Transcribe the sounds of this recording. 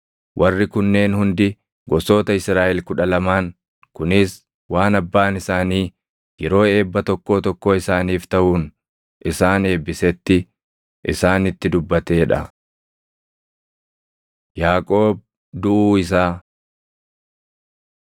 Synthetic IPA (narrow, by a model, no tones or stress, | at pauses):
wʔɐrːɪkʊnːe̞ːnhʊnd̪ɪ | ɡɔso̞ːt̪ɐɪsɾaːʔɛlkʊᶑɐlɐmaːŋ | kʊnɪs | waːnɐbːaːnɪsaːniː | jɛɾo̞ːe̞ːbːɐt̪ɔkːo̞ːt̪ɔkːoːɪsaːniːft̪ɐʔuːn | ʔɪsaːne̞ːbːɪsɛt̪ːɪ | ʔɪsaːnɪt̪ːɪd̪ʊbːɐt̪e̞ːᶑɐ̰ | jaːkʼo̞ːb̚ | d̪ʊʔuːɪs̬aː